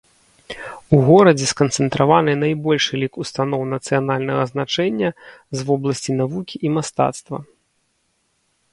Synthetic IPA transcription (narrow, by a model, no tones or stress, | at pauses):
uɣɔɾɐd͡zʲɛskɐnt̪sɛnt̪ɾʔavanɨnajbɔlʲʂɛlʲikust̪an̪ɔwnɐt̪sɨjanalʲnɐɣɐznat͡ʂɛnʲːɐzvɔblˠɐsʲt͡sʲinavukʲiʔimast̪a̰t̪st̪vɐ̰